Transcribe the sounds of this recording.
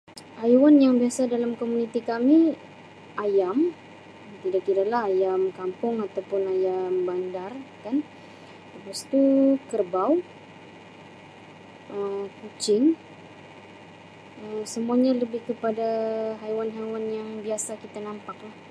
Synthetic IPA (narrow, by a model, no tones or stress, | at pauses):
hajwanjaŋbiasadalamkomunit̪ikami | ajam | t̪idakkidalahɦajamkampʊŋat̪awpʊnajambandarkan | t̪əpast̪ukərbaw | ʔəkut͡ʃɪŋ | əmsəmuaɲaləbɪhkəpadaɦajwanɦajwanjaŋbiasakit̪anampak̚lah